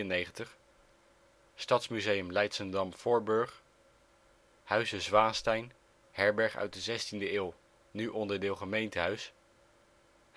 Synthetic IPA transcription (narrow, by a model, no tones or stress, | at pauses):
ənejχəntəχ | stɑtsmyzejəmlɛjtsəndɑmfʊɹbɵɹχ | hœɥzəzʋaːnstɛjn | hɛɹbɛɹχœ̰ɥt̚dəzɛstindəɪːlˠ | nyʔɔndəɹdɪːlˠχəmejntəɦœɥs